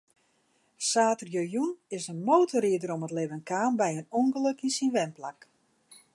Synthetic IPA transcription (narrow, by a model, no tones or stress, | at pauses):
saːtərjøjunɪsənmoːtʰəriədəɾomətlɪʋənkaːmbɛjənuŋɡələkinsinʋɛmplak